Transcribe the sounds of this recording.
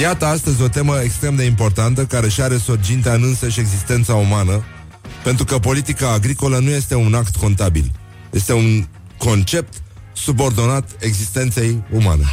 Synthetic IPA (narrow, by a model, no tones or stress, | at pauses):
jat̪əast̪əzʲo̞t̪e̞məekst̪ɾe̞md̪e̞impo̞rt̪ant̪əkaɾe̞ʃiaɾe̞surd͡ʒint̪aɨnɨnsəʃe̞ɡzist̪e̞nt̪saumanə | pe̞nt̪ɾukəpo̞lit̪ikaːɡɾiko̞lənuje̞st̪e̞unakt̪ko̞nt̪abḭl | je̞st̪e̞un | ko̞nt͡ʃe̞p̚t̪ | subo̞rd̪o̞nat̪e̞ɡzist̪e̞nt̪se̞juma̰ne̞̰